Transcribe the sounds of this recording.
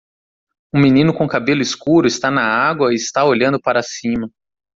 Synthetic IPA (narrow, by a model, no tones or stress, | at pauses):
ũminĩnʊkõkabelʊɪskuɾʊɪst̪anɐaɡwɐɪɪst̪aoʎɐ̃nd̪ʊpaɾɐsĩmɐ